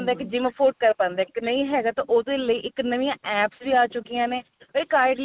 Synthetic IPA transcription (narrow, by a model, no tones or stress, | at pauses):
nd̪ɛːked͡ʒɪʋə̃pʰoːɾɖ̚kəɾpãːnd̪ɛːknəĩːɦɛːɡaːt̪ãːʔʊd̪eːləiːʔɪknəʋĩjãːʔɛːpsbiːaːt͡ʃʊkijãːneː | əiːkaːɪɖl